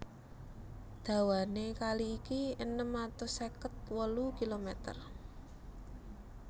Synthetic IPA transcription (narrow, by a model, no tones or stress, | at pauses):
d̪̥ä̤wanekaliːkiənəmat̪ʊsekət̪̚wəlukilomɛt̪ə̰r